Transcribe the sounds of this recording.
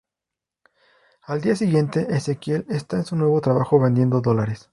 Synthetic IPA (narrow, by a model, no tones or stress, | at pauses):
ald̪iasiɣje̞nt̪e̞ʔesekje̞lest̪ae̞nsunwe̞β̞o̞t̪ɾaβaxo̞βe̞nd̪je̞nd̪o̞ðo̞laɾe̞s